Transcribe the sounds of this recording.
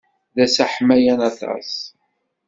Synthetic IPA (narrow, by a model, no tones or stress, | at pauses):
ðæsæħmːæjænɑθɑ̰s